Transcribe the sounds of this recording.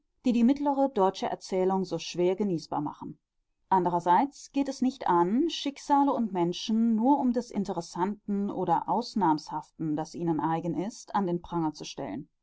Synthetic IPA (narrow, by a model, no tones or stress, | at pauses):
d̥iːdiːmɪtləʁədɔʏt͡ʃəʔɛ̰ɐt͡sɛːlʊŋzoːʃv̥eːɐɡəniːsb̥a̰ːɐma̰χn̩ | ʔandəʁɐzaɪt͡sɡ̥eːtɛsnɪçtʔanʃɪkz̥aːləʊntmɛnʃn̩ːuːɐʔʊmdɛsʔɪ̰ntəʁɛsantn̩ʔoːɾɐʔaʊsnaːmshaftn̩d̥asʔiːnənʔaɪɡənɪstʰandeːnpʁ̥aŋət͡suʃtɛ̰lə̰n